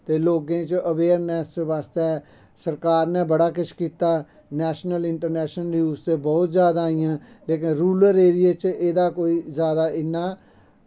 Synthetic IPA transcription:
t̪eːloːɡẽːt͡ʃʔəʋeːɾnɛːsʋaːst̪ɛː | səɾkaːɾnɛ̃ːbəɽaːkɪʃkiːt̪aː | nɛːʃnəlɪɳʈəɾnɛːʃnəljuːst̪eːbɔːt̪zjaːd̪aːijãː | leːk̬ɪnɾuːləɾeːɾɪjeːt͡ʃʔeːd̪aːkoːiːzjaːd̪aːʔɪnːãː

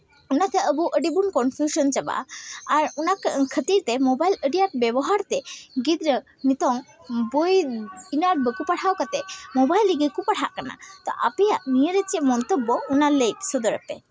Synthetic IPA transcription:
unat̪ɛəbuʔəɖibunkɔnpʰjusɔnt͡ʃaba̰ʔːɾunakkʰət̪iɾt̪ɛmɔbajləɖijaʈ̚bɛbɔɦaɾt̪ɛɡid̪ɾə | nit̪ɔŋbojinaʈ̚bəkupaʈʰawkat̪ɛmobajliɡəkupaʈʰaʔkana̰t̪ɔ̰ʔa̰pɛjaʔnijəɾet͡ʃɛʔmɔnt̪ɔbːɔunalejt̪sɔd̪ɔɾəpɛ̰

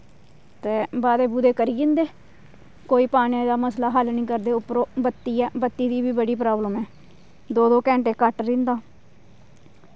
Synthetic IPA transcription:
t̪eːbaːd̪eːbud̪eːkəɾiːɡɪ̃nd̪eː | koːiːpaːnãːd̪aːməslaːɦəlnĩːkəɾd̪eːʊpɾoːbət̪ːiːɛːbət̪ːiːd̪iːbiːbəɽiːpɾaːbləmɛː | d̪oːd̪oːkɛ̃ːɳʈeːkəʈɾɪ̃nd̪aː

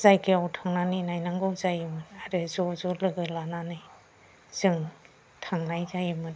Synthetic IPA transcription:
zajkeawtʰaŋnaninajnaŋɡɔwzajmɯnaɾɯzɔzɔlɯɡɯlananɯj | z̥ɯŋ | tʰaŋnajzajimɯn

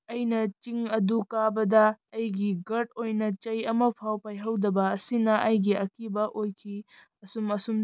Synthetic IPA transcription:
ɐjnɐt͡ʃiŋɐdukabɐd̪ɐːjɡiɡɐɾʈ̚ojnɐt͡ʃɐjɐmɐpʰawpajɦɐwdɐbɐːsinɐʔɐjɡiɐkibɐʔojkʰi | ɐsumɐsum

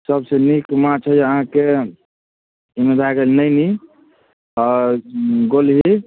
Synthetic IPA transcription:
səbsenikmãt͡ʃʰɦɛd͡ʒeəɦãke | imed̪ʱaɡelnəjni | ɔːɾɡolɦi

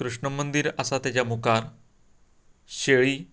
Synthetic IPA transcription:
kɾuʂɳəmənd̪iɾəsat̪jat͡ɕjamukaɾ | ɕeɭiː

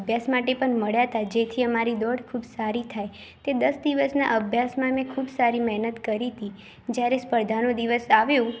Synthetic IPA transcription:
bʱjasmaʈepəɳməɭjat̪ad͡ʒet̪ʰiəmaɾid̪ɔɽkʰubsaɾit̪ʰaj | t̪ed̪əsd̪iʋəsna̰ʔəbʱjasmãmẽkʰubsaɾimɛɦnət̪kəɾit̪i | d͡ʒjaɾespəɾd̪ʱanõd̪iʋəsaʋjũ

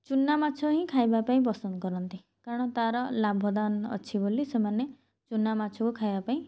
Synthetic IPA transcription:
t͡ʃunːamat͡ʃʰɔɦĩkʰajbapaĩpɔsɔnd̪kɔɾɔnt̪i | kaɾɔɽ̃ɔt̪aɾɔlabʱɔd̪anɔ̰t͡ʃʰibolisemane | t͡ʃunːamat͡ʃʰɔkukʰajbapaĩ

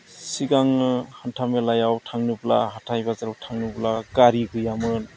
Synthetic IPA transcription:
siɡaŋnɯhantʰamelajawtʰaŋnɯbla̰ɦatʰajbazaɾawtʰaŋnɯblaɡaɾiɡɯjamɯn

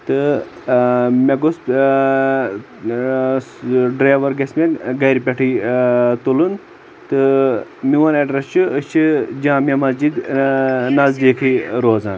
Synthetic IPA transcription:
t̪ɨ | mʲeɡos | ɖɾaːʋɐɾɡɐsʲmeɡɐɾipʲeʈʰit̪olun | t̪ɨmiʋɐnɐɖɾɐst͡ʃʰɨəst͡ʃʰɨd͡ʒãːmʲɐmɐzd͡ʒid̪ | nɐzd̪eːkʰiɾoːza̰ːn

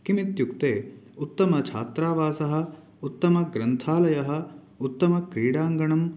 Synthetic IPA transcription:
kimit̪jukt̪eːut̪ːɐmɐt͡ʃʰaːt̪ɾaːʋaːsɐɦɐ̆ | ut̪ːɐmɐɡɾɐnt̪ʰaːlɐjɐɦɐ̆ | ut̪ːɐmɐkɾiːɽaːŋɡɐɳɐm

